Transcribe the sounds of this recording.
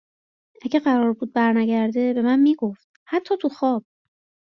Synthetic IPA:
ʔæɟeɢæɾɒːɾbuːd̪̚bæɾnæɟæɾd̪e̞be̞mænmiːɡoft̪̚hæt̪ʰːɒːt̪ʰuxɒːb̥̚

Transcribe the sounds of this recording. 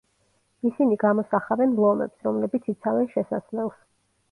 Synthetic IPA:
isiniɡamɔsaχavɛnblˠɔmɛ̰psɾɔmlɛbit̪sʰit̪sʰavɛnʃɛsaslɛlˠs

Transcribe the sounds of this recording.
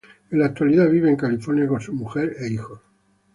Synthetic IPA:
elak̚t̪waliðaβiβ̞eːŋkalifo̞ɾnjakonsumuxeɾeixo

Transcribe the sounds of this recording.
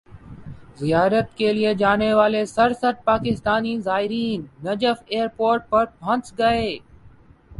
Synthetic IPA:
zɪjaːɾət̪kelied͡ʒaːneʋaːlesɐɾsəʈ̪̚paːkɪst̪aːnizaːɪɾiːnːɐd͡ʒəfeːəɾpoːɾʈ̚pɐɾpʰɐ̃nt͡sɡɐeː

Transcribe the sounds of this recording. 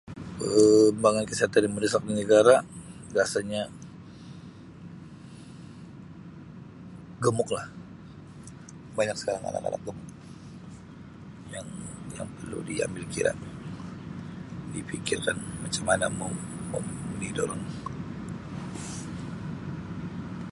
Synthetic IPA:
əmbaŋankəsiɦat̪animədəsak̚dinəɡaɾabiasaɲa | ɡəmʊklah | baɲak̚sə̥kaɾaŋa̰la̰ka̰la̰k̚ɡəmʊk̚ | jaŋjaŋpərlṵdia̰mbɪlkiɾa̰ | dipikɪrkanmat͡ʃamana̰momə̰munidoɾaŋ

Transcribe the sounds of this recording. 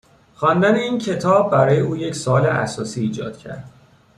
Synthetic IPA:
xɒnd̪æneiːncʰe̞t̪ʰɒːbːæɾɒːjeuːje̞csoːleʔæ̰sɒːsiːd͡ʒɒ̰ːd̪̥cʰæ̰ɾd̪̥

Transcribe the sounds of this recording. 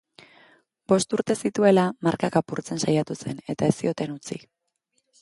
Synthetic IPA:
b̥o̞st̪uɾt̪e̞sit̪ue̞lamaɾkakapuɾt͡se̞nsajat̪use̞ne̞t̪ae̞st̪io̞t̪e̞nut͡sḭ

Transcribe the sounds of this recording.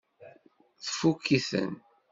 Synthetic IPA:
θfukːiθə̰n

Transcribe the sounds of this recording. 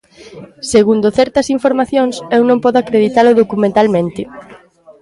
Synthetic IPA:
seɣund̪oθɛɾt̪ɐsiɱfoɾmaθjõŋsewnõmpɔðʊakɾeðit̪alʊðokumẽnt̪almẽnt̪ɪ

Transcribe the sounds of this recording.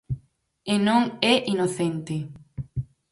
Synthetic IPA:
enõŋɛʔinoθent̪e

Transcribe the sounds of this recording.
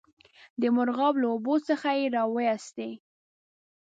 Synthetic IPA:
d̪əmʊɾɣɑblaobosəxajeɾɑwəjɑst̪e

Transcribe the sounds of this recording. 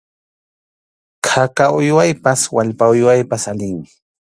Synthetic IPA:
kʰakaʊjwajpaswaʎpaʊjwajpasalɪŋmɪ

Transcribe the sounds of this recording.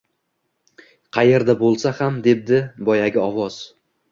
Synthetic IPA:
qʰɑje̞ɾd̪abolˠsahamd̪e̞b̚d̪ɪbɒjaɡʲɪɒvɒz̥

